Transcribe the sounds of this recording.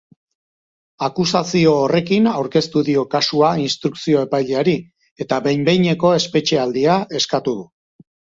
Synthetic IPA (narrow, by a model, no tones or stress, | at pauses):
akusasio̞ːre̞kinawɾke̞st̪uðio̞kasuainst̪ɾuksio̞e̞pajʎeaɾi | e̞t̪aβe̞jmbe̞jɲe̞ko̞e̞spe̞t͡ʃe̞ald̪iae̞skat̪uðu